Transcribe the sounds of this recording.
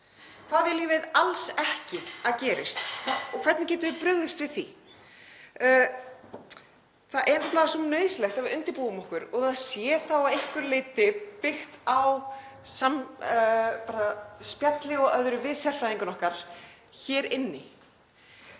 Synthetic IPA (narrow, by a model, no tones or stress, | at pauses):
θaðvjɛliːvɪðalsɛhcɪaðcɛːɾɪst̪ɔkʰvɛɾt̪nɪcɛːt̪ʏðɪpɾʏɣðɪst̪vɪðθḭ | θaðʔɛɾnaplaðasɔmnœːðslɛxt̪avɪɾʏnt̪ɪɾpuːʏmɔhkʏɾɔɣaðsjɛθawaðehkʏɾlejt̪ɪpɪxt̪aw | sam | paːɾaspjat̪lɪɔœðɾʏvɪðsɛr̥fɾajðiŋkʏnɔhkaɾ̥ | çɛːɾɪnːɪ